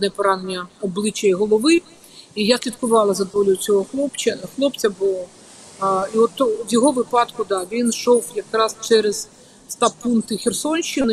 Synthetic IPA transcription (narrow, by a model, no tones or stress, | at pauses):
nɛpɔɾɑnenʲɐɔblˠɪt͡ʃɐjiɦɔlˠɔʋɪ | ijasʲlʲit̪kʊʋɑlˠɐzɐd̪ʋɔlʲʊjʊt͡sʲɔɦɔxlˠɔpt͡ʃɐxlˠɔpt͡sʲɐbʊlˠɔ | iɔt̪ːʋjɔɦɔʋɪpɑd̪kʊd̪ɑʋʲinʃɔwjɐkɾɑst͡ʃɛɾez | st̪ɑpunt̪ɪxʲersɔnʲʃt͡ʃɪnɪ